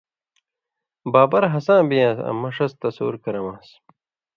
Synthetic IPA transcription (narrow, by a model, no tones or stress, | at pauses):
baːbɐɾɦɐsãːbijãːsɐ̰mɐʂɐst̪ɐso̰ːuɾkɐɾɐmãːs